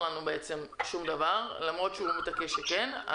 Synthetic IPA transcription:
lanubeet͡se̞mʃumd̪avaʁlamʁo̞t̪ʃeumet̪akeʃekena̰

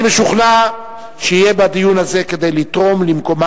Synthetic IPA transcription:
beʃuχna | ʃeijebad̪ijunhaze̞ke̞d̪e̞jlit̪ʁo̞mlimko̞ma

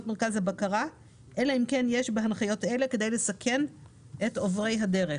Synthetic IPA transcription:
tmeʁkazhabakaʁa | ʔelaimkenjeʃbeɦanχajo̞tele̞ked̪ejle̞sakʰe̞n | ʔetovʁe̞jɦadeʁe

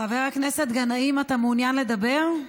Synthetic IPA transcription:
aveʁaknese̞t̪ɡanaimatamunjanle̞d̪abe̞ʁ

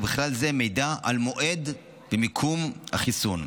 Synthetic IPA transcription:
biχlalze̞mejdaʔalmo̞ʔed̪ | bemikʰumha̰χisun

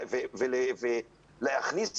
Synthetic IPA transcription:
veveleve | lehaχni

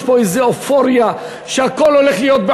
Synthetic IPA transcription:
ʃboezeofoʁja | ʃeako̞lo̞le̞χlijot̪̚be

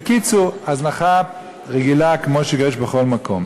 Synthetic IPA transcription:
kit͡suaznaχap | ʁɛɡilakmoʃeɡɛʃbəχolmakʰom

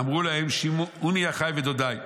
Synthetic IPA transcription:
amʁulahemʃimuniaχajved̪od̪aj

